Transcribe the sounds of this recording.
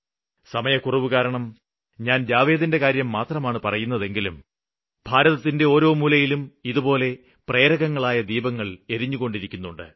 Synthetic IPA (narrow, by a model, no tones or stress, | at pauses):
sɐmɐjɐkurɐʋukaːɾɐɳɐm | ɲaːnd͡ʑaːʋe̞ːd̪inde̞kaːɾjɐmːaːt̪rɐmaːɳɨpɐrɐjunːɐðe̞ŋɡilum | bʱaːɾɐðɐt̪ːinde̞o̞ːɾo̞ːmulɐjilumiðupo̞ːle̞ | pre̞ːɾɐɣɐŋːɐɭaːjɐd̪iːbɐŋːɐɭe̞ɾiɲːuɣo̞ɳɖiɾikʲːunːuɳɖɨ̰